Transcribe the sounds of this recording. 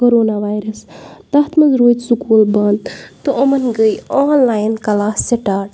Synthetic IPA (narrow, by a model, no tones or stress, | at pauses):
koɾoːnaʋaːjɾɐst̪ɐɦt̪mɐnzɾoːt̪sukuːlbɐnd̪t̪ɨomɐnɡəjoːnlaːjnkɐlaːsːeʈaːʈ